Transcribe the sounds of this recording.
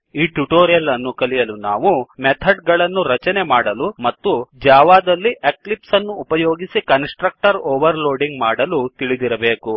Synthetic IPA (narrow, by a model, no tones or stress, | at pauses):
iːʈuʈoːɾijɐlɐnːukɐlijɐluna̰ːʋumɛt̪ʰɐɖ̚ɡɐɭɐnːuɾɐt͡ʃɐnemaːɽɐlumɐt̪ːud͡ʒaːʋaːd̪ɐlːiʔeklipsɐnːuːpɐjoːɡisikɐnsʈɾɐk̚ʈɐɾoːʋɐɾloːɖiŋɡmaːɽɐlut̪iɭid̪iɾɐbe̞ːku